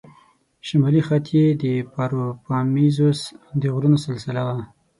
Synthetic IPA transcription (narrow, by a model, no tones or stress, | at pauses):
ʃamɑlixat̪ʰjed̪əpɑɾopɑmizosd̪əɣɾunosɪlsɪlawa